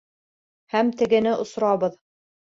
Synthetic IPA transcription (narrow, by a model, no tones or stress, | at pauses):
hæmt̪ɘ̆ɡɘ̆nɘʔŏsɾɑβɤð